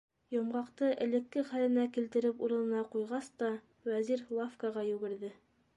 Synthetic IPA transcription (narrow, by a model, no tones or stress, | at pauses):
jŏmʁɑqt̪ɤʔɘ̰̆lɘ̆kːɘχælɘ̆nækilt̪ɘ̆ɾɘpuɾɤ̆nɤ̆nɑqujʁɑst̪ɑ | wæziɾlˠafkɑʁɑjʉɡɘ̆ɾðɘ